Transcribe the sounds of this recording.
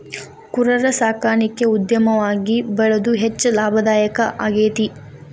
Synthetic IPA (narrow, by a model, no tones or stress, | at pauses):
kuɾɐɾɐsaːkaːɳikːeud̪jɐmɐʋaːɡibɐɭɐd̪uɦet͡ʃːlaːbʱɐd̪aːjɐkɐʔaɡeːt̪i